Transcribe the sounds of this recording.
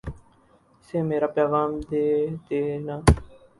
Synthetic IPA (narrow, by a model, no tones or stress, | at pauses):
sẽːmeːɾaːpjaːʋaːmd̪eːt̪eːnãː